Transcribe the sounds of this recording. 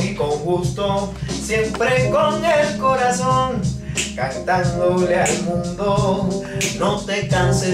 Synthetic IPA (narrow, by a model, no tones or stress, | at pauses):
ikoŋɡust̪osje̞mpɾekoŋelko̞ɾasoŋkant̪and̪olealmũnd̪o | no̞t̪e̞kanse